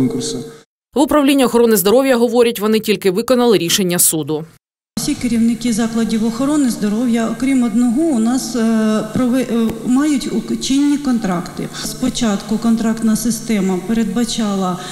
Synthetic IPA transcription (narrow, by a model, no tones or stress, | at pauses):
kʊrs | ʋʊpɾɐwlʲinʲːɐɔxɔɾɔnɪzd̪ɔɾɔwʲjɐɦɔʋɔɾʲɐtʲʋɔnɪtʲilʲkɪʋɪkɔnɐlˠɪɾʲiʃe̞nʲːɐsud̪ʊ | sʲikɪɾʲiwnɪkizɑklˠɐdʲiwɔxɔɾɔnɪzd̪ɔɾɔwʲjɐɔkɾʲimɔd̪nɔɦɔʊnɑspɾɔʋɛmɑjʊtʲut͡ʃɪnʲːikɔnt̪ɾɑkt̪ɪ̰spɔt͡ʃɑt̪kʊkɔnt̪ɾɑkt̪nɐɐsɪst̪ɛmɐpeɾed̪̚bɐt͡ʃɑlˠɐ